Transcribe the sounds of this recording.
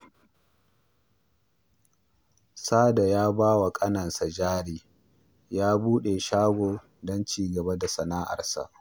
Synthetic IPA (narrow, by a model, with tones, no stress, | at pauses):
saː˦da˨jaː˦baː˦wa˨kʼɐ˦nɐ˨nsa˨d͡ʒaː˦ɽiː˦ | jaː˦buː˦ɗe˨ʃaː˦ɡʷoː˨ | dɔ˦nt͡ʃiː˦ɡɐ˨ba˦da˨sɐ˨naː˦ʔa̰˨rsa̰˨ʔ